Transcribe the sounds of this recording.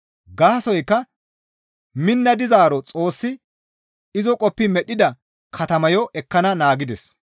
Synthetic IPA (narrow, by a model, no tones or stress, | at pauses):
ɡaːsɔjkːɐ | mɪnːɐd̪ɪzaːɾɔt͡sʼo̞ːsːɪ | ɪzɔkʼɔpːɪmɛɗɪd̪ɐ | kʰɐt̪ɐmɐjɔʔɛkːɐnɐnaːɡɪd̪ɛs